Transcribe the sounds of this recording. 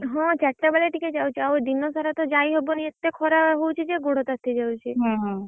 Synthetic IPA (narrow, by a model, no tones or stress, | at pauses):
ɦɔ̃t͡ʃɛʈːabaleʈiked͡ʒawt͡ʃʰiaod̪inːosaɾat̪ɔd͡ʒaiɦoboniet̪ːekʰɔɾaɦowt͡ʃʰid͡ʒeɡoɽot̪at̪ʰːid͡ʒawt͡ʃʰiɦɔ̃ɦɔ̃